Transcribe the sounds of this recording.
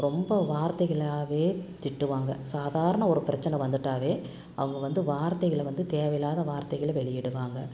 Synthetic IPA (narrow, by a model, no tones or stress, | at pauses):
ɾɔmbɐʋaːɾt̪ɐɪɣɐɭaːʋeːt̪ɪʈːɯʋaːŋɡɐsaːðaːɾɐɳɐɔɾɯpɪɾɐt͡ʃːɐnɛʋɐnd̪ɯʈːaːʋeː | ɐ̰ʋɐŋɡɐʋɐnd̪ɯʋaːɾt̪ɐɪɣɐɭʋɐnd̪ɯt̪eːʋɐjlaːðɐʋaːɾt̪ɐɣɐɭʋɛɭɪjɛɽɯʋaːŋɡɐ